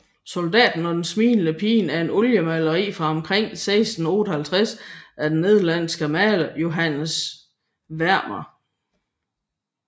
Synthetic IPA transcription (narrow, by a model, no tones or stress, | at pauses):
sold̥ɛ̰ːd̥n̩ɒ̽d̥ensmḭːnləpʰḭːnæɐe̝nɔljəmælɐʁḭːfʁɑ̈ɒ̽mkʰʁeŋ̰seɪsd̥n̩o̝̰ːd̥əhælt͡sʰʁasæd̥ene̝ð̞ˠɐlæn̰sɡ̥əmæːləjo̝ɦæn̰s | ʋæɐ̰mɐ